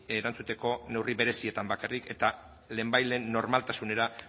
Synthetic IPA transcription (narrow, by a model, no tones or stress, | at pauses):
eɾant͡sut̪e̞ko̞ne̞wriβe̞ɾe̞sie̞t̪ambakarike̞t̪a | le̞ːmbajle̞ːnːo̞ɾmalt̪asune̞ɾa